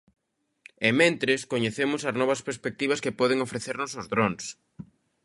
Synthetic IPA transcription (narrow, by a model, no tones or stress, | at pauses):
ɛmẽnt̪ɾɪskoɲeθemʊsɐznɔβɐspeɾspek̚t̪iβ̞ɐskepɔðɪŋofɾeθeɾnʊsʊzðɾɔŋs